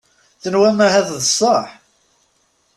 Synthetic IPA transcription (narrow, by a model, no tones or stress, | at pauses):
θənwæmæɦæððəsˤːəħ